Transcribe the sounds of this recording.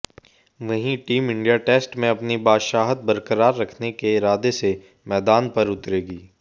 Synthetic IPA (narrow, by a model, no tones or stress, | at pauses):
ʋɐɦĩʈiːmɪ̃ɳɖijaʈeːsʈmẽɐpnibaːʃaːɦət̪̚bɐɾkəɾaːɾːɐkʰnekeɪɾaːd̪ese | mɛːd̪aːnpɐɾʊt̪ɾeːɡiː